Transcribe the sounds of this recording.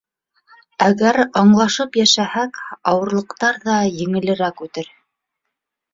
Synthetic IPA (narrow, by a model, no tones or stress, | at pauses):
æɡæɾɑɴlˠɑʃɤpjæʃæhækɑwɤ̆ɾlˠɤ̆qt̪ɑɾðɑjɘ̆ŋɘ̆lɘ̆ɾækʉt̪ɘɾ